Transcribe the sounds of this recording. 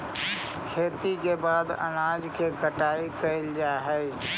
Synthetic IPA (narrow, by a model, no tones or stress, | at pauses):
kʰeːt̪ikebaːd̪ə̰naːd͡ʒkʰekəʈaːikəɪld͡ʒaːɦɛe